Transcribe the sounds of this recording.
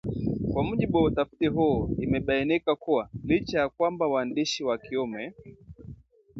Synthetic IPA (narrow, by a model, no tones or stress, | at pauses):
kwamuʄiɓuwautafi̥tiɦuɔimɛɓainikakuwalit͡ʃajakwambawandiʃiwakiɔmɛ